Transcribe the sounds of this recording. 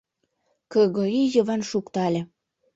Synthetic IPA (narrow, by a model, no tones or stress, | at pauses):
kɤɣoijɤ̆βɑnʃukt̪ɑlʲĕ